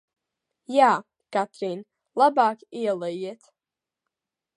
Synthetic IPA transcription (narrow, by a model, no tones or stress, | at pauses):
jaː | kat̪ʰrin | labaːkialˠajet̪ʰ